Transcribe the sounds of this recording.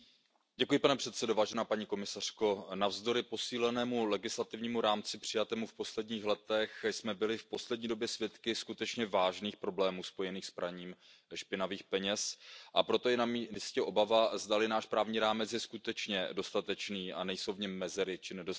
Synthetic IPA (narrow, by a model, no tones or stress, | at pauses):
ɟɛkujɪpanɛpr̥ɛt̪sɛdovaːʒɛnaːpaɲiːko̞mɪsar̥ko̞navzdo̞ɾɪpo̞siːlɛnɛːmulɛɡɪslat̪ɪvɲiːmuɾaːmt͡sɪpr̝̥ɪjat̪ɛːmufpo̞slɛdɲiːxlɛt̪ɛxsmɛbɪlɪfpo̞slɛd̚ɲiːdo̞bjɛsvjɛt̪kɪskut̪ɛt͡ʃɲɛvaːʒniːxpɾo̞blɛːmuːspo̞jɛniːxspɾaɲiːmʃpɪnaviːxpɛɲɛsʔapɾo̞t̪ojɛnamiiscɛʔo̞bavazd̪alɪnaːʃpɾaːvɲiːɾaːmɛt͡sjɛskut̪ɛt͡ʃɲɛ̰do̞st̪at̪ɛt͡ʃniːʔa̰nɛjsowvɲɛmːɛzɛɾɪt͡ʃɪnɛdo